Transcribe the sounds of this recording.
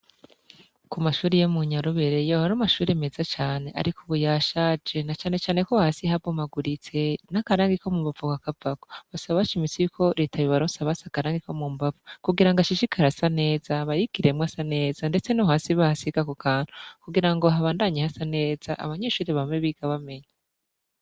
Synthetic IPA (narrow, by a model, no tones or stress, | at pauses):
kumaʃuːɾijemuɲaɾoβeɾejohaɾumaʃuːɾeme̞zat͡ʃaːne̞ʔa̰ɾikʰuβujaːʃad͡ʒe̞nat͡ʃaːne̞t͡ʃaːne̞kohasihabɡomaɡuɾit͡se̞nakaɾaːŋɡikomumbavokakavako̥βasaβaʃimisiikʰo̞ɾe̞tʰaβiβaɾoːnsaβasakaɾaːŋɡiko̞muːmbavukuɡiɾaŋɡaʃiʃikʰaɾasane̞ːzaβajiɡ̥iɾemwasane̞ːzande̞t͡se̞noɦaːsiβahasiɡakokʰaːn̥u̥kuɡiɾaŋɡo̞ɦaβaːndaɲehasane̞ːz̥aʔa̰βaɲe̞ːʃuːɾiβamŋeβiɡ̥aβame̞ɲa